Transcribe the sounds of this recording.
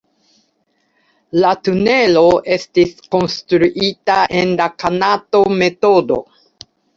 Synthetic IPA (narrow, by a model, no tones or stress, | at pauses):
latune̞lo̞ʔe̞stisko̞nstɾuʔitaʔenlakanato̞me̞to̞do̞̰